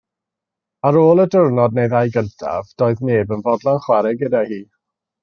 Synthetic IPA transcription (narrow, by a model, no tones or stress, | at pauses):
aɾoːlˠədərnɔdnejðajɡəntʰa̰vd̥oːɨðneːbənvɔdlˠanχwaɾɛɡədahiː